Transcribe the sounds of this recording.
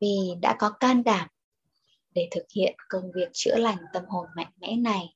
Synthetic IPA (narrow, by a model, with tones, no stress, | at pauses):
vi˨˩ɗa̰ː˧˥kɔ˨˦kaː˧nɗaː˧˩m | ɗe˧˩t̪ʰɨ˨˩k̚hḭ˧˨ənkə˧nvi˨˩ək̚t͡ɕɨ̰˧˥əla˨˩jŋ̟t̪ə˧mho˨˩nmɛ̰˧˨ŋmɛ̰˧˥na˨˩j